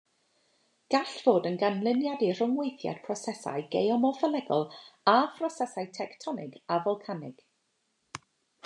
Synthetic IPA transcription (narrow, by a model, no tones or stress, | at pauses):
ɡ̥aɬv̥oːdənɡanlˠɪnjadir̥ʊŋwejθja̰d̥pʰrɔsɛsa̰jɡejɔmɔfəlˠɛɡɔlˠapʰrɔsɛsajtʰɛktʰɔnɪɡavɔlˠkʰanɪ̰ɡ̥